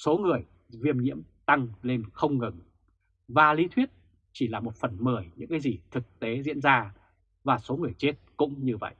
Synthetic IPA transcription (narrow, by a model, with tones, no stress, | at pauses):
so˨˦ŋɨ˨˩əj | vi˧əmɲḭ˧˥əmt̪a˧ŋle˧nxə˧wŋ͡mŋɨ˨˩ŋ | vaː˨˩li˨˦t̪ʰwi˦˥ət̚ | t͡ɕi˧˩laː˨˩mo˨˩t̚fə˨˩nməː˧˩jɲɨ̰˧˥ŋkaː˨˦jzi˨˩t̪ʰɨ˨˩k̚t̪e˨˦zḭ˧˥ənzaː˧ | vaː˨˩so˨˦ŋɨ˨˩əjt͡ɕe˦˥t̚kʊ̰˧˥ŋ͡mɲɨ˧və̰˧˨jʔ